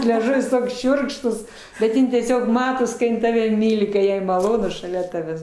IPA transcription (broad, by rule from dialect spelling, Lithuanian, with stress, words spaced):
lʲɛˈʒʊʋʲɪs ˈtoːks ˈʃʲʊrkʃtʊs ʃʲʊrkʃtuːs bʲɛt ˈjɪn tʲiɛˈsʲoːk ˈmɑːtoːs kɐ ˈjɪn ˈtɑːʋʲɛ ˈmʲiːlʲɪ kɐ ˈjɛɪ mɐˈlˠoːnʊ ʃɐˈlʲɛ ˈtɑːʋʲæːs